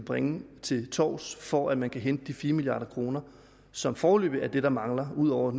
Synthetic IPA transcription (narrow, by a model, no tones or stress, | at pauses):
b̥ʁɛŋət͡sʰe̝lt͡sʰɒ̰ːsfɒʔæd̥mænkʰæɦend̥əd̥ifiːɐmilijɑ̈ːɾɐkʰʁo̝ːnɐ | sɒ̽mfɒːlø̰ːb̥əæɐd̥e̝ɾ̥ɑ̈mɑ̈ŋlɐuð̞̰ˠɒʊ̰ɐ